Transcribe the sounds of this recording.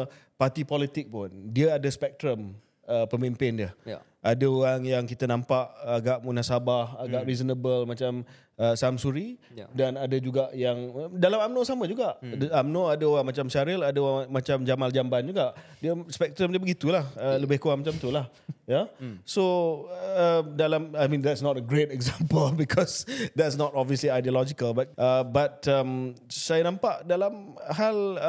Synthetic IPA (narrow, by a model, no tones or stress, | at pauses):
pat̪ipɔlit̪ɪk̚pʊndiəadəspɛk̚t̪ɾəm | əpəmimpɪndiəh | ʔadəoɾaŋjaŋkit̪ənãmpaʔaɡaʔmunasabahaɡaʔɾizənəbəlmat͡ʃam | əsamsuɾi | danadəd͡ʒuɡaʔjaŋdalamamnõsamə̃d͡ʒuɡaʔamnoadəoɾaŋmat͡ʃamsaɾɪladəoamat͡ʃamd͡ʒamald͡ʒamband͡ʒuɡaʔdiəspɛk̚t̪ɾəmdabəɡit̪ulahələbɪhkuwaʔmat͡ʃamt̪ulah | jasoː | dalamajmĩnd̪ɛtsnɔtəɡɾetɛkzampəlbikʰɔsd̪ɛtsnɔtɔbviəsliajdiolɔd͡ʒikəlbat̚ʔəbat̚əm | sajanãmpaʔdalamɦal